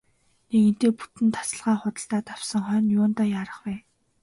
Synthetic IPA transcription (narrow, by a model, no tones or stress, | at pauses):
nekint̪eːpu̥t̪ɘ̆nt̪ʰḁsə̆ɮʁaːχʊt̪ə̆ɬt̪aːt̪ʰawsə̆ŋχœːnjʊːnt̪aːjaːɾə̆χpæː